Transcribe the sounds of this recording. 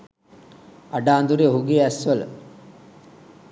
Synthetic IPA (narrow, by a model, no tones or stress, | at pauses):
aɖaːnd̪uɾioɦuɡeːæsʋələ̰